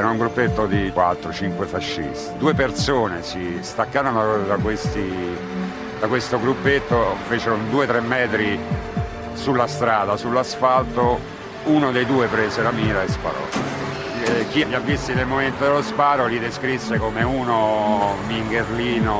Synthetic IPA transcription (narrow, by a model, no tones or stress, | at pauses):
ɛɾuŋɡɾupːet̪ːod̪ikwat̪ːɾot͡ʃiŋkwefaʃːḭst̪id̪uːepert̪soːnesist̪akːaːɾond̪akwest̪i | d̪akwest̪oɡɾupːet̪ːofeːt͡ʃeɾond̪uːet̪ɾemːɛːt̪ɾi | sulːast̪ɾaːd̪asulːasfalt̪o | unod̪ejd̪uːepɾeseɾamiːɾaespa̰ɾɔ̰tː | k̟iavjavːist̪inelmoment̪od̪elːospaːɾolid̪eskɾisːekomeunomiŋɡerliːno